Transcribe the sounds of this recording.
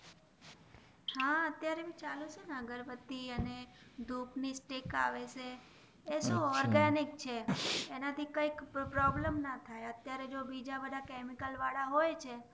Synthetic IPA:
hãət̪jaɾebĩt͡ʃalut͡ʃenaɡəɾbət̪ːiəned̪ʱupnisʈeka̰ʋeʃʰeː | ʃũɔɾɡanik̚t͡ʃʰeːnat̪ʰikəikpɾɔbləmnat̪ʰajət̪jaɾed͡ʒobid͡ʒabəd̪ʱakemikəlʋaɽaɦojt͡ʃʰe

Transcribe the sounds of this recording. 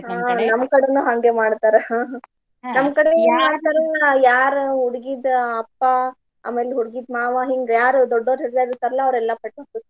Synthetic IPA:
ɦanɐmkɐɽenuːɦɐŋɡe̞maːɽt̪aːɾe | nɐmkɐɽemaːɽt̪aːɾejaːɾɦuɽɡid̪ɐpːa | a̰ːme̞ːleɦuɽɡid̪maːʋaɦiŋɡjaːɾd̪ɔɖːoɾesd̪aːd̪iɾt̪ːaːɾɐlːɐːʋɾɛlːɐpeʈob̪ut̪ː

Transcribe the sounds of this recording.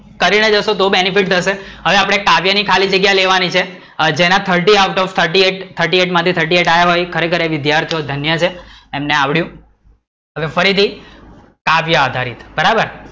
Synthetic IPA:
kəɾined͡ʒəʃot̪obenifiʈ̚t̪ʰəʃeɦəʋeapɽ̃ekaʋjanikʰalid͡ʒəɡjaleʋanit͡ʃʰe | d͡ʒenãt̪ʰəɾʈiaʋʈɔʋt̪ʰəɾʈieʈt̪ʰəɾʈieʈmãt̪ʰit̪ʰəɾʈieʈajaɦojkʰəɾekʰəɾeʋɪd̪jaɾt̪ʰijod̪ʱənjət͡ʃʰeemneaʋɭjũ | ɦəʋefəɾit̪ʰi | kaʋjaad̪ʱaɾḭt̪bəɾabəɾ

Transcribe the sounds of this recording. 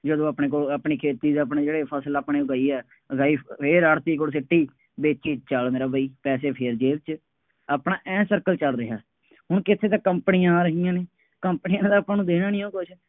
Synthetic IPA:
d͡ʒəd̪õːapɳeːk̬oːlapɳiːkʰeːt̪iːd̪aːp̬neːd͡ʒeːɽeːpʰəsəlaːpneːɡaːiːɛː | ɡaːiːpʰeɾəɽt̪iːkoːs̬ɪʈːiː | beːt͡ʃiːt͡ʃəlmeːɾaːbʱaːiːpɛːseːpʰeɾd͡ʒeːʋt͡ʃ | aːpɳaːʔɛ̃ːsəɾkəlt͡ʃəlɾɪɦa̰ː | ɦʊɳkɪt̪ʰeːt̪ãːkəmpnijãːɾəɦijãːneː | kəmpnijãːd̪aːpãːnũːd̪eːnãːnĩːõːkʊt͡ʃʰ

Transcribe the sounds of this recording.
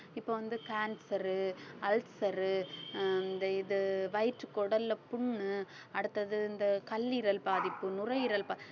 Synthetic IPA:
ɪpːoːʋɐnd̪ɯkaːnsɐɾɯɐlsɐɾɯ | nd̪ɐɪðɯʋɐjʈɾɯkːɔɽɐlːɐpʊɳːɯ | ɐɽɯt̪ːɐðɯɪnd̪ɐkɐlːɪɾɐlpaːðɪpːɯnʊrɐjɪɾɐlpa

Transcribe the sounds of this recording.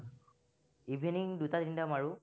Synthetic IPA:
ibʱiniŋɖut̪ad̪iɳɖamaɹu

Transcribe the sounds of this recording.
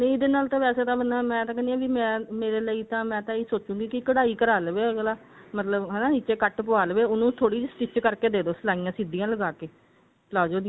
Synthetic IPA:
nəĩɪd̪eːnaːlt̪ãːʋɛːseːt̪ãːbənd̪aːmɛ̃ːt̪ãːkɛndiaːʋiːmɛ̃ːmeːɾeːləiːt̪ãːmɛ̃ːt̪ãːiːsoːt͡ʃũːɡiːkɪkəɽaːiːkəɾaːlʋeːlaː | mət̪ləbɦɛːnaːniːt͡ʃeːkəʈp̬ʊaːlʋeːʊnũːt̪ʰoːɽiːd͡ʒsʈɪt͡ʃkəɾkeːd̪eːd̪oːsəlaːijãːsɪd̪ijãːləɡaːkeː | laːd͡ʒoːd̪ĩã

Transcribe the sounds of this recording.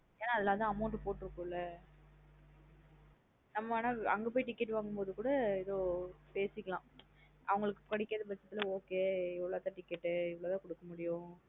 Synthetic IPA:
eːnaːɐðɛlaːt̪ãːɐmɐʊɳʈpoːʈːɯɾɯkːɯɪlːɐ | nɐmːaːnaːɐŋɡɐpoːjiʈɪkːɛʈːʋaːŋɡɯmpoːðɯkuːɽɐɛðoːpeːsɪkːɐlãː | ʔɐ̰ʋɐŋɡɐɭɯkːɯkɐɽɪkːɾɐðɯʋɐt͡ʃːɐt̪ːɪlɐoːkeːɪʋɐɭoːt̪ãːʈɪkːɛʈːɯɪʋɐɭoːt̪ãːkɔɽɯkːɐmʊɽɪjʊ̃

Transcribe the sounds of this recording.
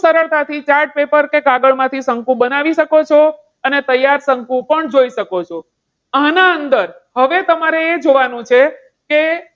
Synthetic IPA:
səɾəɭt̪at̪ʰit͡ʃaɾʈ̚pepəɾkekaɡəɭmãt̪ʰisəŋkũbənaʋiʃəkot͡ʃʰo | ənet̪əjːaɾsəŋkũpəɳd͡ʒoiʃəkot͡ʃʰo | anaənd̪əɾ | ɦəʋet̪əmaɾeːd͡ʒoʋanũt͡ʃʰe | ke

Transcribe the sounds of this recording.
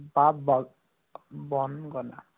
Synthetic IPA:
bab | bɔnɡɔna̰

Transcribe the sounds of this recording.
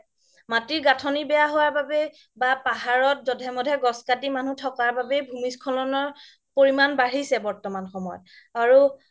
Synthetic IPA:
matiɹɡatʰɔnibɛjaɦowaɹbabɛ | bapaɦaɹɔt̚zɔdʱɛmɔdʱɛɡɔskatimanutʰɔkaɹbabɛbʱumiskʰɔlɔnɔɹ | poɹimanbaɹisɛbɔɹtɔmanxɔmɔjɔ̰t̚ | aɹu

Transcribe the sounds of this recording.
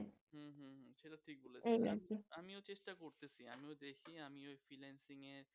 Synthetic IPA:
ɦɦũɦt͡ʃʰelaʈʰik̚boleenḛkiamiot͡ʃesʈakoɾt̪esiamiod̪ekʰiamiojpʰilensiŋe

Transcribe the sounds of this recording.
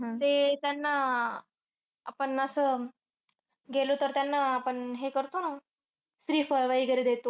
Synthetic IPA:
ɦãt̪et̪janːa | apəɳəsəː | ɡelot̪əɾt̪janːaapəɳɦekəɾt̪ona | sɾiːfəjʋaiɡəɾed̪et̪o

